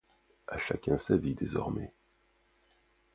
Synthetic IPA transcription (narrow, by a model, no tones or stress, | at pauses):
aʃakʲɛ̃savid̪ezɔ̰ʁmɛ